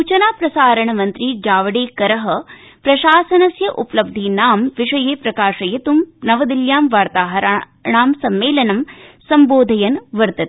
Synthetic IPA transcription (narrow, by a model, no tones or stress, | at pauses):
ut͡ʃɐnaːpɾɐsaːɾɐɳɐmɐnt̪ɾid͡ʒaːʋɐɽeːkɐɾɐɦɐ | pɾɐʃaːsɐnɐsjɐʔuplɐb̚d̪ʱinaːmʋiʂɐjeːpɾɐkaːʂɐjɐt̪umnɐʋɐd̪iljaːmʋaːɾt̪aːɦɐɾ | ɳaːmsɐmːeːlɐnɐmsɐmboːd̪ʱɐjɐnʋɐɾt̪ɐt̪